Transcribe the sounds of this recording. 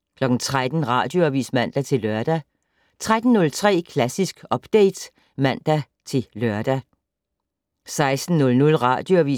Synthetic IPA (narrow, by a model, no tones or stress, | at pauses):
kʰlɒ̽ɡ̥n̩t͡sʰʁad̥n̩ʁɑ̰̈ːd̥jo̝æʋḭːsmæn̰d̥æt͡sʰe̝lːɶɐd̥æ | t͡sʰʁad̥n̩ːɔ̽lt͡sʰʁɛ̰ːkʰlæsisɡ̥ɒ̽b̥d̥eɪd̥ | mæn̰d̥æ | t͡sʰe̝lɶɐ̰d̥æ | sɑ̈ɪsd̥n̩nɔ̽lnɔ̽lʁɑ̰̈ːd̥joæʋḭ